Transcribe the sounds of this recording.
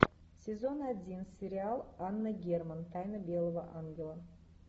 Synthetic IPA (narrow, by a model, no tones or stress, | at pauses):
sʲezo̞nad̪ʲinsʲeɾʲɪalˠanːəɡʲermənt̪ʰajnəbʲelˠovəʔaŋɡʲelˠə